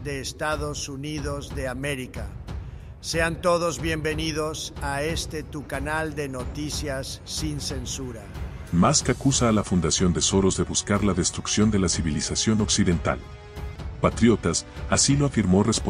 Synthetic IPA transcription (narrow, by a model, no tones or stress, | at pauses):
d̪eːst̪aðosuniðozðeameɾika | seant̪oð̞ozβje̞mbenið̞osaest̪et̪ukanald̪e̞not̪isjasːinsensuɾa | maskakusaːlafund̪asjo̞nd̪e̞so̞ɾo̞zðe̞βuskaɾlaðe̞st̪ɾuksjo̞nd̪e̞lasiβilisasjo̞no̞ksiðe̞nt̪a̰l | pat̪ɾjo̞t̪asasilo̞afiɾmo̞re̞spo